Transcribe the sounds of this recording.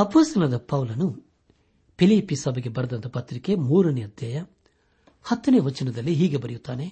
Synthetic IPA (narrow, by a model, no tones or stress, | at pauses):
ɐpoːst̪ɐlɐd̪ɐpɐwlɐnu | pʰiliːpːisɐbʱɐɡebɐɾɐd̪ɐnt̪ːɐpɐt̪ɾike̞muːɾɐniɐd̪jɐjɐ | hɐt̪ːɐneːʋɐt͡ʃːɐnɐd̪ɐlːiɦiːɡe̞bɐɾijut̪ːaːne